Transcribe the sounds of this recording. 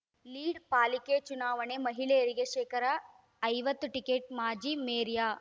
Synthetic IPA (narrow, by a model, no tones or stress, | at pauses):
liːɽpaːliket͡ʃunaːʋɐɳemɐɦilejɐɾiɡeʃeːkɐɾa | ɐjʋɐt̪ːuʈikeːʈ̚maːd͡ʒiːmeːɾjaː